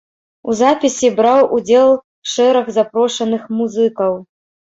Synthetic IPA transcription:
uzapʲisʲibɾawʔud͡zʲɛlˠ | ʂɛɾɐɣzapɾɔʂɐnɨxmuzɨkɐw

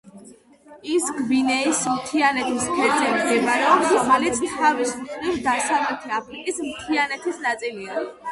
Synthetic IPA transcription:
isɡbinɛismt̪ʰianɛt̪ʰispʰɛt̪sʼɛmɡ̪ɛmaɾɛɔpsχalit̪sʼitʰavisχɾivsd̪asavlɛt̪ʰiapʰɾikʼismt̪ʰianɛt̪ʰisnat̪sʼiliai

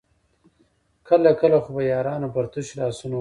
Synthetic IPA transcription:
kəlakəlaxʊbajɑːɾɑːnopɐɾt̪uʃlɑːsuno

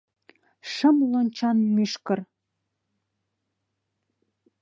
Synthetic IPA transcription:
ʃə̆mlonʲt͡ɕɑnmyʃkə̆r

